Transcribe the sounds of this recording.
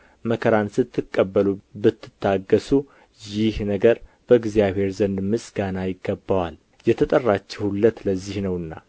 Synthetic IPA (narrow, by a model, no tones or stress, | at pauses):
məkʰəɾansɨt̪ʰːɨkʼːəbːəlubɨt̪ʰːɨ̥t̪ʰːaɡəsu | jɪhnəɡəɾ | b̥əɨɡzijaβhe̞ɾzənd̪mɨsɡanajɪɡːəbːawal | jɛt̪ʰət̪ʼərːat͡ʃːɛhulːət̪ləzːihnəwɨnːa̰